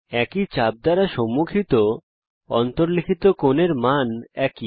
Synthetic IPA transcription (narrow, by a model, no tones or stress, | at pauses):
ɛkit͡ɕab̚d̪aɾaʃɔmːukʰit̪o | ɔ̰nt̪oɾlikʰit̪okoneɾmanɛki